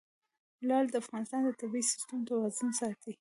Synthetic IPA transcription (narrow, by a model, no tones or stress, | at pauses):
lɑld̪əafɣɑnɪst̪ɑnd̪ət̪abiisɪ̥st̪amt̪awɑzʊnsɑt̪i